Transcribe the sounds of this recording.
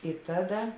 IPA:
ɪ ˈtɑːˌdɐ

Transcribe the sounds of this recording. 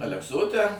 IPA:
ɐlʲɛkˈsoːtʲɛ

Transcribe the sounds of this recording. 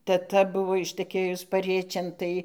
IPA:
tʲɛˈtɐ ˈbʊʋoː ɪʃtəˈkʲeːjʊs pɐˈrʲiɛt͡ʃʲeːn ˈtɐɪ

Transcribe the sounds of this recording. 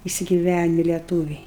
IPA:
ɪsʲɪɡʲɪˈʋʲænʲɪ lʲɛˈtuːʋʲɛɪ

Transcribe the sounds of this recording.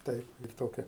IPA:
ˈtɐɪp lʲiːk ˈtoːkʲɛ

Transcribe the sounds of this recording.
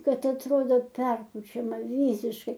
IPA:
ˈkɐt ɐtˈroːdoː ˈpʲɛrpʊt͡ʃʲɛmɐ ˈʋʲiːsʲɪʃkɐɪ

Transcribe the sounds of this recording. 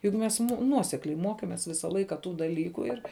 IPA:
jʊk ˈmʲɛs ˈnuɔsʲɛklʲɛɪ ˈmoːkʲeːmʲeːs ˈʋʲɪsɐ ˈlˠɐɪkɐ ˈtuː dɐˈlʲiːkʊ ɪr

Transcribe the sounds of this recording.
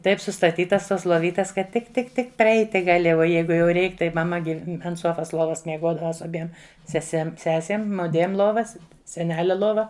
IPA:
ˈtɐɪp sʊstɐˈtʲiːtɐs toːs lˠoːˈʋʲiːtʲɛs kɐt tʲɪk tʲɪk ˈtʲɪk pʲrʲɛˈɛɪtʲɪ ɡɐˈlʲɪ oː ˈjɛɪɡʊ jɛʊ ˈrʲɛɪk tɐɪ mɐˈmɐ ɡʲɪ ɐnt ˈsuɔfɐs ˈlˠuɔʋɐs mʲiɛˈɡuɔdɐʋɐ sʊ ɐˈbʲiɛm sʲɛˈsʲɛm ˈsʲæːsʲeːm ˈmʊdʲʋʲiɛm ˈlˠuɔʋɐs sʲɛˈnʲæːlʲɛ ˈlˠoːʋɐ

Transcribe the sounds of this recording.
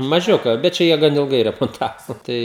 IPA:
mɐˈʒʲʊkɐ bʲɛt ˈt͡ʃʲɛ jiɛ ˈɡɐn ɪlˠˈɡɐɪ rʲɛmoːnˈtɑːʋoː ˈtɐɪ

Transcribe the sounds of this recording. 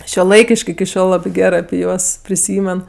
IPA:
ʃʲuɔˈlˠɐɪkʲɪʃʲkʲ ɪkʲɪ ˈʃʲoːlˠ ˈlˠɑːbʲɪ ˈɡʲæːrɜ ɐpʲɪ ˈjuɔs pʲrʲɪˈsʲiːmʲɛn

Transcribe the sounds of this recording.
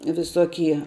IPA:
ʋʲɪˈsoːkʲiɛ

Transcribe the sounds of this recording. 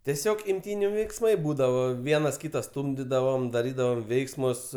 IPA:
tʲiɛˈsʲoːk ɪmʲˈtʲiːnʲʊ ʋʲɛɪksˈmɐɪ ˈbuːdɐʋoː ˈʋʲiɛnɐs ˈkʲiːtɐ ˈstuːmʲdʲɪdɐʋoːm dɐˈrʲiːdɐʋoːm ˈʋʲɛɪksmʊs

